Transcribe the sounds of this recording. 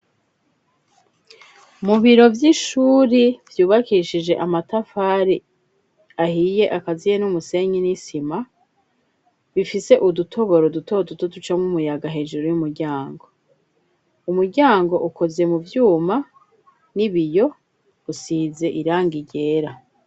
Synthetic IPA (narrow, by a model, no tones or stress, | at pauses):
muβiɾo̞vjiʃuːɾivjuːβakiʃid͡ʒe̞ʔamatafaːɾi | ahije̞ʔakazijenumuse̞ɲinisima | βifise̞ʔudutʰo̞βo̞ɾodutʰodutodut͡ʃamŋumujaɡaɦe̞ːʒuɾojumuɾɟaːŋɡo̞ | umuɾɟaːŋɡo̞ʔuko̞ze̞muvjuːma | niβijo̞ | usiːze̞ʔiɾaːŋɡiɟe̞ːɾa